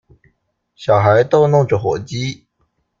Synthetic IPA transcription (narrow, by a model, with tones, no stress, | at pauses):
ɕjɑ˨˩ʊxa˧˥ɪt̪o˥ʊnʊ˥˩ŋʈ͡ʂə˨˩xwɔ̰˨˩t͡ɕi˥